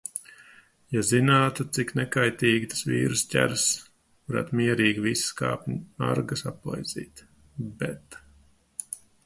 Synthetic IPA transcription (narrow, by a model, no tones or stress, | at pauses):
jazinaːt̪ut̪siknɛkajt̪iːɡt̪ḁsvḭːɾɨscʲæ̰ɾs | kuɾa̰t̪miɛɾiːɡiviska̰ːpʲɲa̰ɾɡasapɔ̰jzḭːt̪ | bɛt̪